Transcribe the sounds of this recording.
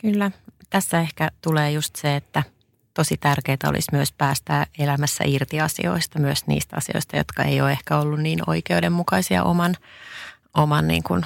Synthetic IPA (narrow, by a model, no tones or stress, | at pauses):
kylːæt̪æsːæehkæt̪uleːjust̪seet̪ːæ | t̪o̞sit̪ærkeːt̪æo̰lʔḭsmyøspæːst̪æelæmæsːæ̰ʔirt̪iɑsḭo̞̰ist̪ɑmyøsnḭːst̪ɑ̰sio̞̰ist̪ɑjo̰t̪kɑḛjoːehkæolːunniːno̰ikeudemmukɑisiɑ̰ʔo̰mɑn | ʔomɑnːḭːŋkun